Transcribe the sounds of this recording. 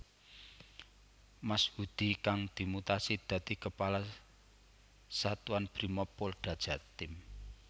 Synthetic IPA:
mashud̪̥i̤kaŋd̪̥i̤mut̪asid̪̥ä̤t̪ikəpala | sat̪uanb̥ɾimɔpʊlɖ̪̥ä̤d̥ʒ̥ä̤t̪ɪm

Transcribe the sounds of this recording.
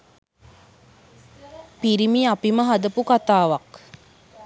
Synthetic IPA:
piɾimiapiməɦad̪əpukat̪aːʋak

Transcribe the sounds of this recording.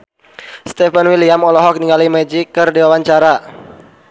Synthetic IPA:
st̪ɛfanwiliamɔlɔɦɔk̚niŋɡalimɛd͡ʒikːɨrdiwawaɲt͡ʃaɾa

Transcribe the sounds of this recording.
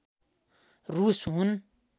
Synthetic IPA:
ɾuːsɦun

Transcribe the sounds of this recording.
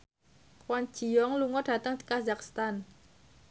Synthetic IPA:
kwan̥d͡ʒ̥i̤jɔŋluŋɔɖ̥ä̤t̪əŋkazakst̪an

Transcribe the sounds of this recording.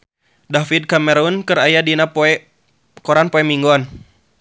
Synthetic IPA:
dafid̪̚kamɛɾunkɨɾajadinap | kɔɾanpɔɛmiŋɡɔn

